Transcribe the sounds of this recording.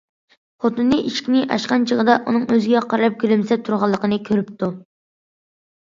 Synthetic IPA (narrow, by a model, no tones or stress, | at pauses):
χot̪ɨnːɨʔiʃkʲnɪʔɑ̰ʃqɑnt͡ʃʰəʁəd̪ɑʔunɨŋøzɪɡʲɛqʰɑɾɾɑp̚kʲylymsɛt̪ʰuɾʁɑlˠːəqʰənɨkʲʰøɾyp̚t̪ʰu